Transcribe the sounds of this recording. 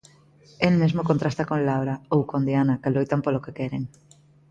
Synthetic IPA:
elmezmokont̪ɾast̪akonlawɾaowkond̪janakelojt̪ampolokekɛɾeŋ

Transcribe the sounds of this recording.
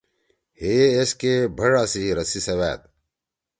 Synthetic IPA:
heːskebʱɐɽaːsiiɾɐsisɐwæːt̪̚

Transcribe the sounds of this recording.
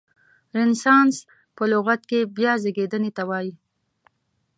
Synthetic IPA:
ɾɪnsɑns | pəlʊɣat̪kebjɑzəɡed̪ənet̪awɑji

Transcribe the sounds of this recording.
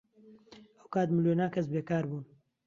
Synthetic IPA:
ɐwkaːt̪mɨljenaːkɐs̬beːkaːɾbuːn

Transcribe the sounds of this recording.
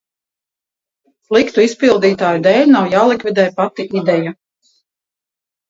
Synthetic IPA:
slˠikt̪uispilˠd̪iːt̪aːjud̪ɛːlʲnawjaːlˠikvid̪ɛːjpat̪iʔid̪ɛja

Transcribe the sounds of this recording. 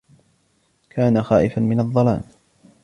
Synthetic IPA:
kʰaːnaxaːʔɪfanmɪnɑðˤːɑlaːn

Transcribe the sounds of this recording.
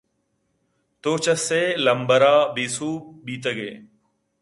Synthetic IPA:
t̪oːt͡ʃəseːləmbəɾaːbiːsuːɓiːt̪əɡḛː

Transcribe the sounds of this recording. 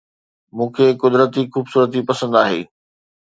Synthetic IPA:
mũːkʰeːkʊd̪ɾət̪ixuːbsuːɾət̪̬ipɐsə̃nd̪aːɦḛː

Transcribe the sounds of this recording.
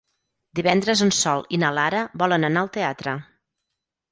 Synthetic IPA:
d̪iβɛnd̪ɾəzənsɔlˠinəlaɾəbɔlənənaəlˠt̪eat̪ɾə

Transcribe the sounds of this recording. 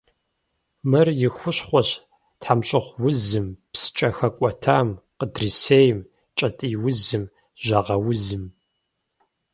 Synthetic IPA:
mɨrjɪxʷʊɕχʷɔɕ | tħamɕʼɪχʷwʊzɨmpsɨ̥t͡ʃʼɐxɐkʷʼɔtʰaːmqədriseːjm | t͡ʃʼɐtʼiːwʊzɨm | ʒɐʁɐwʊzɨm

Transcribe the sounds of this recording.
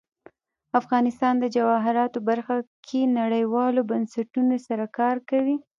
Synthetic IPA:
afɣɑnɪst̪ɑnd̪əd͡ʒawɑɦɪɾɑt̪obaɾxakʰenaɽəjwɑlobansaʈunosaɾakɑɾkawi

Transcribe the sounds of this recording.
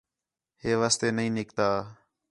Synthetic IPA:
ɦeːʋaːst̪eːnəɦĩːnɪkt̪aː

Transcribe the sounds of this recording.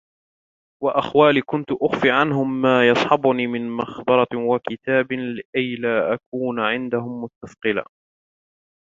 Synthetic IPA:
waʔaxwaːliːkʊnt̪ʊʔʊxfiʕanɦʊmːaːjɑsˤħɑbʊniːmɪnmɑxbɑɾˤɑwakɪt̪aːblɪʔajlaːʔakuːnʕɪnd̪ahʊmːʊst̪ːaθqɨla̰ː

